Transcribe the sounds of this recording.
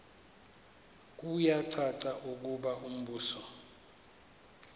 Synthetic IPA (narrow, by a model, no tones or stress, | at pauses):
k̬ʼujaǀʰaǀaʔuk̬uɓaʔum̩ɓuːsɔ